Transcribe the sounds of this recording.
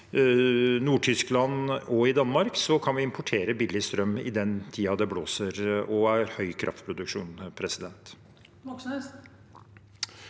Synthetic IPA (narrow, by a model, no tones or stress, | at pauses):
nuːʈʰʏsklɑnɔɪd̪ɑnmɑɾksɔkʰɑnʋɪɪmpʰʊʈʰeːɾəbɪlːɪst̪ɾœmːɪ̰d̪ɛnt̪ʰiːɑd̪ɛbloːsəɾɔæɾhœʏkʰɾʔɑ̰ft̪pʰɾʊd̪ʉkʂuːnpʰɾɛsɪd̪ɛnt̪